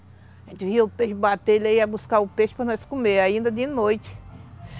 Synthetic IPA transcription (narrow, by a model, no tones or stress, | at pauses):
ʒẽt͡ʃ̪ɪviɐʊpeʃʊbat̪elaiɐbuskaʊpeʃʊ̥pɾɐnɔskõmeɾaĩnd̪ɐd̪ɪnojt͡ʃ̪ɪ̥